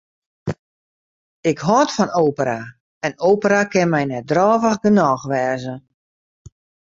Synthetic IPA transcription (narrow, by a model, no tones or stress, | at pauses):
ɪkɦɔtfɔnoːpəɾa | ɛnoːpəɾakɪnmɛjnɛt̚drɔːvəxɡənɔːxʋɛːzə